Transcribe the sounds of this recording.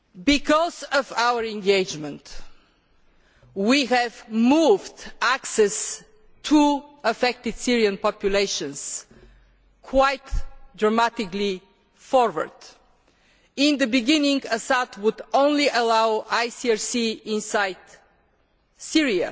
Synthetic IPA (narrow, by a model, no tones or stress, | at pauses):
bikʰɔzəvaʊwə˞ɛ̃ŋɡeɪd͡ʒmə̃nt̪ | wiɦɛvmuvdæksɛs | tʰuəfɛk̚t̪ɪd̪̥siɹiə̃npɑpjuleɪʃə̃ns | kʰwaɪtdɹəmat̪ɪkli | fɔɹwə̰˞d̪̥ | ɪ̃nd̪əbɪɡɪ̃nɪ̃ŋɡəsat̪wʊd̪õʊ̃nliʔəlaʊaɪsiaɹsiɪ̃nsaɪd̪̥ | siɹiə̰